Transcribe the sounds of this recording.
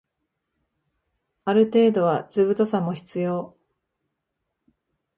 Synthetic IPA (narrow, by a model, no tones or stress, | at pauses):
aɾɯ̟t̪e̞ːd̪o̞βat͡sɨβɯ̟t̪o̞samo̞çi̥t͡sɨjo̞ː